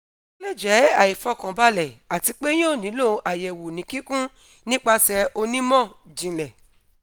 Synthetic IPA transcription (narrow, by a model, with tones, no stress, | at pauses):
lɛ˦˨d͡ʒɛ˨˦a˨i˨fɔ˧˨kã˨ba˦lɛ˨a˨ti˧k͡pe˦j̃õ˦˨nĩ˨˦lo˦˨ʔa˨jɛ˨wu˨nĩ˨˦kĩ˦kũ˦ | nĩ˦k͡pa˧sɛ˧ʔo˧nĩ˦mɔ̃˦˨d͡ʒĩ˨lɛ˨